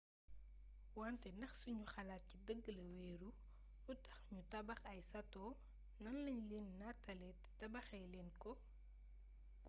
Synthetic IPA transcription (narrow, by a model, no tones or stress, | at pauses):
wantɛnɐxsuɲuxɐlaːt̚cidəɡːəlɐwɛːɾu | utɐxɲutɐbɐxɐjsɐtɔː | nɐnlɐɲlɛːnːatɐlɛttɐbɐxɛjlɛːnkɔ